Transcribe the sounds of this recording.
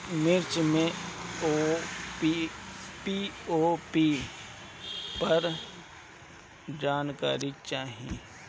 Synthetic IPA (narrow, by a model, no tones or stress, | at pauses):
mɪɾt͡ʃmẽoːpipioːpi | pɐɾ | d͡ʒaːnka̰ːɾit͡ʃaːɦḭ̃ː